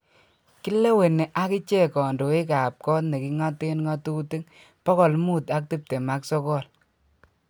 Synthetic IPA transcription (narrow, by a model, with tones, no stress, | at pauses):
ki˦le˦we˨ne˨ʔa˦ki˦t͡ʃe˦kɔ˨ndo˨e˦ka˨p̚kɔ˦tne˨ki˦ŋa˦te˦nŋɔ˦tu˦ti˦ŋ | pɔ˦kɔ˨lmu˦ta˦k̚ti˦p̚te˨ma˦ksɔ˦kɔ˦˨l